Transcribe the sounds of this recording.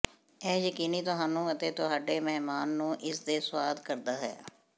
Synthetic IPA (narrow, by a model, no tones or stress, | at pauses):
ɛːjəkiːniːt̪ʊɦaːnũːət̪eːt̪ʊɦaːɖeːmɛɦmaːnːũːʔɪsd̪eːsʊwaːd̪kəɾd̪aːɦɛ̰ː